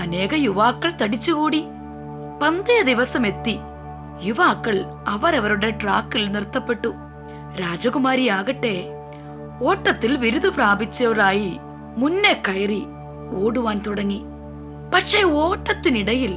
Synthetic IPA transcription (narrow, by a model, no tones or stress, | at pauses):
ɐne̞ːɣɐjuʋaːkːɐɭt̪ɐɽit͡ɕːukuːɽi | pɐnd̪ɐjɐd̪iʋɐsɐme̞t̪ːi | juʋaːkːɐɭ | ɐʋɐɾɐʋɐɾuɽe̞ʈraːkːilnirt̪ːɐpːe̞ʈːu | ɾaːd͡ʑɐɣumaːɾijaːɣɐʈːe̞ | o̞ːʈːɐt̪ːilʋiɾud̪upraːbit͡ɕːɐɐraːji | munːe̞kːɐjɐri | o̞ːɽuʋaːnt̪uɽɐŋːi | pɐʈʂe̞ːo̞ːʈːɐt̪ːiniɽɐjil